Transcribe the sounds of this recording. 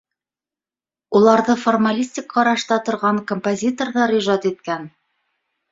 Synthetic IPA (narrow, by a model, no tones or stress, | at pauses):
ulˠɑɾðɤformalʲisʲtʲɪkqːɑɾɑʃt̪ɑt̪ŏɾʁɑŋkompozʲit̪orðɑɾiʒɑt̪it̪̚kæn